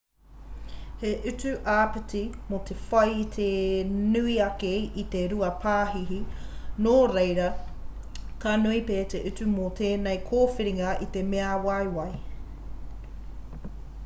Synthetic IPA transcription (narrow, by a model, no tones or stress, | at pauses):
heʔʉt͡sʉʔaːpetimot̪ʰefɐjt̪ʰenʉiɐkeit̪eɾuɐpʰaːɦiɦinoːɾejɾɐ | kanuipeːt̪eʔʉtʉmot̪ʰeːnejkʰoːfiɾiŋɐit̪e̞meɐwɐjwɐj